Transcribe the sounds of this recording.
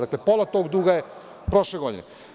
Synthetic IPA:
aklepolˠat̪oːɡd̪uːɡaje | pɾo̞ʃleɡo̞d̪ḭne

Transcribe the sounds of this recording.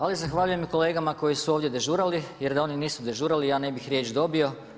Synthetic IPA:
alizaxʋaʎuje̞miko̞le̞ːɡamako̞jisuo̞ːʋd̪je̞d̪e̞ʒuːɾalije̞ɾd̪ao̞niniːsud̪e̞ʒuːɾalijaːne̞bixɾʲjet͡ʃd̪o̞bio̞

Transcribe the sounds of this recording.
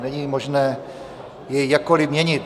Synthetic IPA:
nɛɲimoʒnɛː | jɛjakːolɪmɲɛɲɪt̪

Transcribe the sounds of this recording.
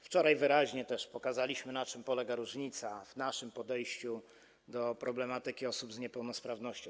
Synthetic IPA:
ft͡ʂɔɾajvɘɾaʑɲɛt̪ɛʂpɔkazalʲiɕmɘnat͡ʂɘmpɔlɛɡaɾuʐɲit̪savnaʂɘmpɔd̪ɛjɕt͡ɕu | d̪ɔpɾɔblɛmat̪ɘkʲiɔsubzɲɛpɛwnɔspɾavnɔɕt͡ɕɔ̃w̃

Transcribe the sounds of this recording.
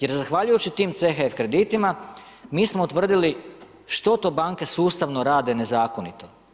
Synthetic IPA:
je̞ɾzaxʋaʎujut͡ɕit̪iːmt̪sexefkɾe̞d̪it̪ima | miːsmout̪ʋr̩d̪ili | ʃt̪o̞t̪o̞ːbaŋkesuːst̪aʋnoɾaːd̪ene̞zaːko̞nit̪o̞

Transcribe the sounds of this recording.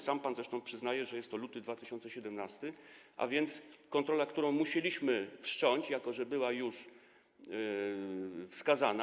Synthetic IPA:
sampanzɾɛʂt̪ɔ̃w̃pʂɘznajɛʐɛjɛst̪ːɔlut̪ɘd̪vat̪ɘɕɔnt̪sɛɕɛd̪ɛmnast̪ɘʔa̰vʲjɛnt̪skɔnt̪ɾɔlakt̪uɾɔ̃w̃muɕelʲiɕmɘfʂt͡ʂɔɲt͡ɕjakɔʐɛbɘwajuʂ | fskazana

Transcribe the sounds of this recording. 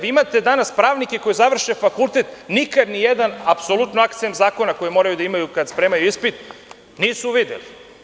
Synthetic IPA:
ʋiimat̪e̞d̪anaspɾaːʋnikeko̞jezaʋr̩ʃefakulˠt̪et̪nikad̪nijed̪anapso̞lut̪noakt̪siemzaːko̞nako̞jemo̞ːɾajud̪aimajukad̪spɾeːmajuispit̪ | niːsuʋid̪ḛli

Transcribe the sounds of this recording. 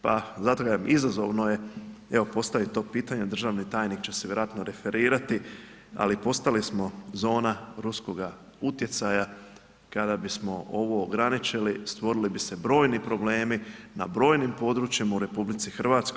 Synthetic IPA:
pa̰zat̪oɡaamizazo̞ʋno̞je̞e̞ʋo̞po̞st̪aʋit̪o̞ːpiːt̪aɲed̪r̩ʒaːʋnit̪aːjnikt͡ɕe̞seʋjeɾoaːt̪noɾe̞fe̞ɾiːɾat̪i | a̰lipo̞st̪alismo̞zo̞ːnaɾusko̞ɡa | ut̪je̞t̪saja | kad̪abismo̞ʔo̞ʋo̞ːɡɾanit͡ʃilist̪ʋo̞ɾilibise̞bɾo̞ːjnipɾo̞ble̞ːmina̰bɾo̞ːjnimpo̞d̪ɾuːt͡ʃjimauɾe̞publit̪sixr̩ʋaːt̪skoj

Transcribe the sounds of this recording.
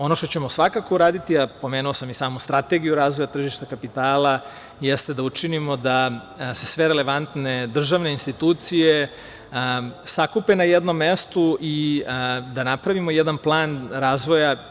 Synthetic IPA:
o̞no̞ʃt̪ot͡ɕe̞mo̞sʋakakouɾaːd̪it̪iapo̞me̞ːnuosamisaːmust̪ɾat̪e̞ɡijuɾaːzʋo̞jat̪r̩ʒiʃt̪akapit̪aːlˠa | jest̪e̞d̪aut͡ʃinimo̞d̪a | se̞sʋe̞ɾele̞ʋant̪ne̞d̪r̩ʒaːʋne̞inst̪it̪uːt̪sije | sakupe̞najed̪no̞mːe̞st̪uʔi | d̪anapɾaʋimo̞jed̪anplˠaːnɾaːzʋo̞ja

